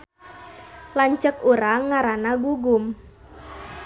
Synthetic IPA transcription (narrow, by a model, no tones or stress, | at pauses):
laɲt͡ʃəkuɾaŋːaɾanaɡuɡum